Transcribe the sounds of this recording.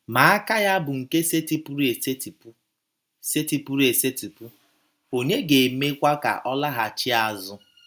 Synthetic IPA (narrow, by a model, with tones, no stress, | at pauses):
ma˨a˦ka˦ja˦bʊ˨ŋ̩˨ke˦se˦ti˦pu˦ɾe˨se˦ti˨pu˦ | se˦ti˨pu˦ɾe˨se˦ti˨pu˦ | o˨ɲe˦ɡe˨me˦kʷa˦ka̰˨ʔɔ˦la˦ɦa˨t͡ʃi˦a˦zʊ˦